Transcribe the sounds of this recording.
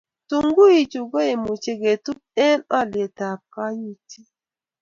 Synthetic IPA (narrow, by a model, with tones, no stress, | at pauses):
tu˨ŋɡu˦i˨t͡ʃu˨ɡo˦e˨mu˨t͡ʃe˦ɡe˨tu˦p̚ɛ˦nɔ˦lje˨ta˨p̚ka˦ju˦ti˦